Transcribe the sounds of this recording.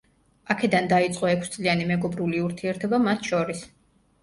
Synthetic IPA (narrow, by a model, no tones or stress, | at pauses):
akʰɛd̪and̪ait̪sʼqʼɔɛkʰst̪sʼlianimɛɡɔbɾuliuɾt̪ʰiɛɾt̪ʰɔbamat̪ʰʃɔɾis